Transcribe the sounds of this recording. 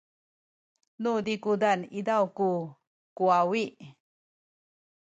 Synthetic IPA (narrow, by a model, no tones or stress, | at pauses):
nud̪ikud̪anid̪awku | kuawiʔ